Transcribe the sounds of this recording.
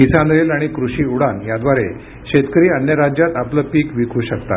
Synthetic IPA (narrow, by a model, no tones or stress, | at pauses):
kisãnɾelaɽ̃ikɾuɕiːuɽanjad̪ʋaɾe | ɕet̪kɾiːənjəɾad͡ʑjat̪apləːpiːkʋikʰuːɕəkt̪a̰t̪